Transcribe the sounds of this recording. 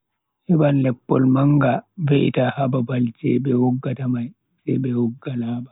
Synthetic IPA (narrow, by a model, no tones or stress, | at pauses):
ʔɛbanlɛpːɔlmaŋɡaveʔḭtahababald͡ʒɛbɛwɔɡːatamaj | sɛjɓɛwɔɡːalaba